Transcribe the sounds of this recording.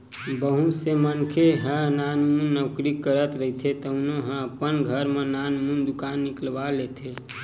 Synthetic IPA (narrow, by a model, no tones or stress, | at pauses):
bəɦũsemənkʰeɦə̃nanmunːəwkɾikːəɾət̪ɾəɦit̪ʰet̪əʊnoɦə̃əpənɡʱəɾmẽnanmund̪ukanːikəlbalet̪ʰe